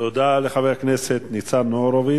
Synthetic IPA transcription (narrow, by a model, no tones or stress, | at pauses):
t̪od̪aleχavejakneset̪nit͡sanoɾovi